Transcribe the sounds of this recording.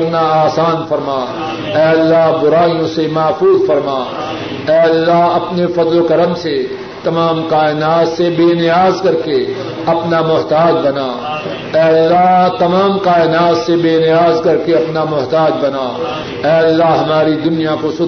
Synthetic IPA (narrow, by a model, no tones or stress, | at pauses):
ɾnaaːsaːnfɐɾmaː | ɛːɐlːaɦbʊɾaːijõsemɐːfuːzfɐɾmaː | ɛːɐlːaɦɐpnefɐd̪lokɐɾəmse | t̪ɐmaːmkaːɪnaːt̪sebeːnɪjaːzkɐɾke | ɐpnamʊɦt̪aːd͡ʒbɐnaː | ɛːɐlːaɦt̪ɐmaːmkaːɪnaːt̪sebeːnɪjaːzkɐɾkeɐpnamʊɦt̪aːd͡ʒbɐnaː | ɛːɐlːaɦɦɐmaːɾid̪ʊnijakosʊ